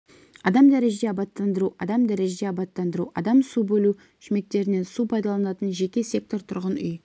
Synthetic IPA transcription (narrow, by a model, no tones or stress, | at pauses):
ɑd̪ɑmd̪æɾeʒed̪eɑbɑt̪ːɑnd̪əɾuɑd̪ɑmd̪æɾe̞ʒed̪eɑbɑt̪ːɑnd̪əɾuʔɑd̪ɑmsubɵlu | ʃɪme̞k̚t̪e̞ɾɪne̞nsupʰɑjd̪ɑlˠɑnɑt̪ənʒe̞kʲe̞sʲe̞k̚t̪o̞ɾt̪ʰʊɾʁənʏj